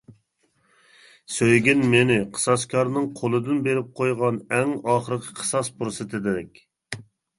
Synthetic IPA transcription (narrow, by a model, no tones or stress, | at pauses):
søjɡʲɪnmenɪqʰə̥sɑskʲʰɑɾnɨŋqʰolˠɨd̪ɪnbeɾɪp̚qʰojʁɑnɛŋɑχəɾɨqʲʰə̥qʰə̥sɑspʰɾʊsɨt̪ʰɪd̪ɪd̪ɛkʲ